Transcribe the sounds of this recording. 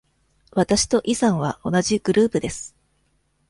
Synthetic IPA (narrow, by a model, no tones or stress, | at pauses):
βat̪aɕi̥t̪o̞ʔisãɰ̃β̞aʔo̞naʑiɡ̥ɯ̟ɾɯːpɯ̟d̪e̞sɨ̥